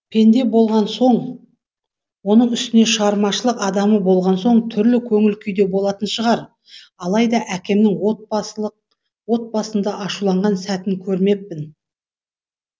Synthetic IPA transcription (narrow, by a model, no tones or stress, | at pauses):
pʰe̞nd̪e̞bo̞lˠʁɑnso̞ɴ | wo̞nəɴʏst̪ɪne̞ʃəʁɑɾmɑʃəlˠəqɑd̪ɑməbo̞lˠʁɑnso̞ɴt̪ʰʏɾlɪkʲʰɵŋɪlkʲʰʏjd̪e̞bolˠɑt̪ənʃəʁɑɾ | ɑlˠɑjd̪ɑʔækʲe̞mnɪŋwot̪̚ | wo̞t̪̚bɑsənd̪ɑʔɑʃulˠɑɴʁɑnsæt̪ɪŋkʲʰɵɾme̞pːɪn